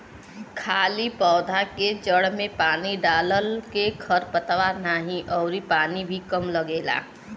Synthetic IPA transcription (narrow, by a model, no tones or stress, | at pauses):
kʰaːlipɔːd̪ʱaked͡ʒəɽmẽpaːniɖaːləlkekʰəɾpət̪ʋanaɦĩʔɔʊɾipaːnibʱikəmləɡeːla̰ː